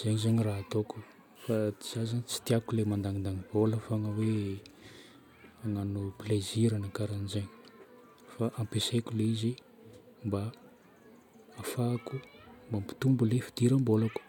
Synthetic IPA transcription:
z̥eɲizeɲiraɦat̪oku̥ | faiz̥azant͡si̥t̪iakulemand̪aŋind̪aŋib̥oləfaŋəwe | aŋanupleziɾanakaɾanizeɲi̥ | faʔampesekʲuleizi | mba | faːkumbampi̥t̪umbulefi̥d̪̥iɾambolaku̥

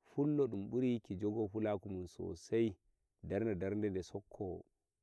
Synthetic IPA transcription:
fulːɔɗumɓuɾikid͡ʒɔɡɔfulakumunsɔ̰saj | daɾnadaɾndɛndɛsɔkʰːɔ

